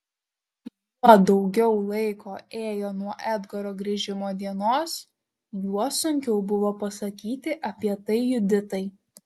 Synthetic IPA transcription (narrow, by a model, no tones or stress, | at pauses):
pɐd̪ɒʊɡʲɛʊlˠɐɪkoːeːjoːnuɔʔæd̪ɡɔɾoːɡɾʲɪʒʲɪmoːd̪ʲiɛnoːs | juɔsʊŋʲkʲɛʊbʊʋoːpɐsɐkʲiːt̪ʲɪʔɐpʲiɛt̪ɐɪjʊd̪ʲɪt̪ɐɪ